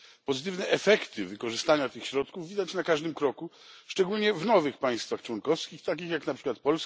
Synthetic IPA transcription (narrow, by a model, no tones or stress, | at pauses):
pɔzɘt̪ɘvnɛʔɛfɛkt̪ɘvɘkɔʐɘst̪aɲat̪ɘxɕɾɔt̪kuvvʲid̪at͡ɕnakaʐd̪ɘmkɾɔkuʂt͡ʂɛɡulɲɛvnɔvɘxpaj̃st̪faxt͡ʂwɔnkɔfskʲixt̪akʲixjaknapʂɘkwat̪̚pɔls